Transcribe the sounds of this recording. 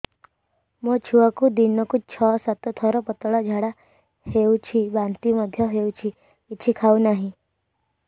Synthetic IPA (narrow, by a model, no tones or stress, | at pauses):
mɔ̃t͡ʃʰuakud̪inːɔkut͡ʃʰɔsat̪ɔt̪ʰɔɾɔpɔt̪ɔɭɔd͡ʒʱaɽa | hewt͡ʃʰiʋãnt̪iməd̪ʱjɔɦeut͡ʃʰiː | ʃʰikʰaunaɦĩ